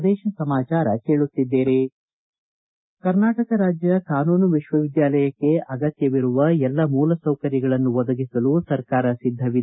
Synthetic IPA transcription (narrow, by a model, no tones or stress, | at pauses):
d̪ɛːʃɐsɐmaːt͡ʃaːɾɐke̞ːɭut̪ːid̪ːeːɾe | kɐɾnaːʈɐkɐɾaːd͡ʒjɐkaːnuːnuʋiʃʋɐʋid̪jaːlɐjɐkːe̞ʔɐɡɐt̪jɐʋiɾuʋɐɛlːɐmuːlɐsɐwkɐɾjɐɡɐɭɐnːuʋɔd̪ɐɡisɐlusɐɾkaːɾɐsid̪ʱːɐʋi